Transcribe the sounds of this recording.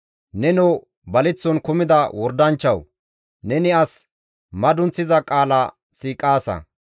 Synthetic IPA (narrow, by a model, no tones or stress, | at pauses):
nɛnɔ | bɐlɪt͡sːɔnkʊmɪd̪ɐwɔɾd̪ɐnt͡ʃːɐw | nɛnɪɐs | mɐd̪ʊnt͡sːɪzɐkʼaːlɐ | siːkʼːaːsɐ̰